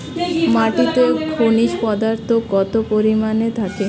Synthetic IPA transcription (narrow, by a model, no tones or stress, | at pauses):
maʈit̪okʰoniʃpɔd̪aɾt̪ʰokɔt̪opoɾimanet̪ʰake